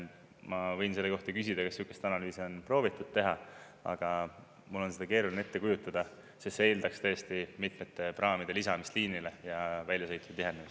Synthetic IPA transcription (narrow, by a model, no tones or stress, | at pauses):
mɑvɤ̞jnse̞lːeko̞ht̪ɑkys̬id̪̥ɑkesykːˑest̪ɑnɑlyːseo̞npro̞ːvit̪ːˑud̪̥̚t̪e̞ɦɑ | ɑ̰ɡ̥ɑ | mulːo̞nsed̪ɑke̞ːɾulʲine̞t̪ːe̞kujut̪ːˑɑd̪̥ɑ | seseːld̪ɑkst̪ɤjest̪imit̪met̪ːe̞prʔɑːmid̪̥e̞lisɑmist̪liːnile̞jɑvælʲjɑsɤjt̪ːˑu̥t̪iɦenemis